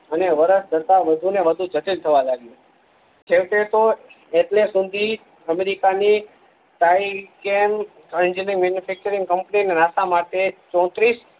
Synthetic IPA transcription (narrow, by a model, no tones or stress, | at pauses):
əneʋəɾəsd͡ʒət̪aʋəd̪ʱuneʋəd̪ʱud͡ʒʱəʈilt̪ʰəʋalaɡju | t͡ʃʰeʋʈet̪o | eʈlesud̪ʱi | əmeɾikani | ʈaikem | ənd͡ʒəniŋmenjufʰɛk̚t͡ʃəɾĩŋɡkəmpninenasamaʈet͡ʃɔ̃t̪ɾis